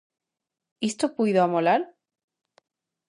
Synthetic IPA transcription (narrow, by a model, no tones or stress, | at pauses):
ist̪opuiðoamolaɾ